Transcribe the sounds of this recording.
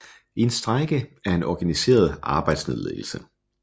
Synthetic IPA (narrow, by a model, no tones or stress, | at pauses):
eensd̥ʁaɡ̥əæɐe̝nʔɒɡ̥ænise̝̰ːɐð̞ˠɑ̈ːb̥ɑ̈ɪ̰d̥smeðˠlḛːl̩sə